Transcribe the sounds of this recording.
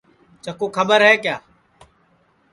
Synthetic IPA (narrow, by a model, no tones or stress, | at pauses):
t͡ʃəkoːkʰəbəɾɦɛːkjaː